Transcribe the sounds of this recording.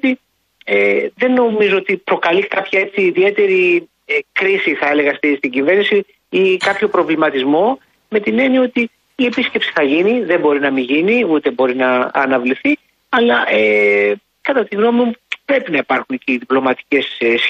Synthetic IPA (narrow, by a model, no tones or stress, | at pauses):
t̪i | eðe̞nːo̞mizo̞o̞t̪ipɾo̞kɐlikɐpçɐe̞t͡siːðie̞t̪e̞ɾi | ekɾisiθɐele̞ɣɐst̪ist̪iɲɟive̞ɾnisi | ikɐpço̞pɾo̞vlimɐt̪izmo̞ | me̞t̪ine̞nio̞t̪iː | e̞pisce̞psi̥θɐʝiniðe̞mbo̞ɾinɐmiʝiniut̪e̞bo̞ɾinɐ̰ːnɐvliθi | ɐlɐʔe | kɐt̪ɐt̪iɣno̞mimupɾe̞pinɐipɐɾxunciðiplo̞mɐt̪i̥ce̞s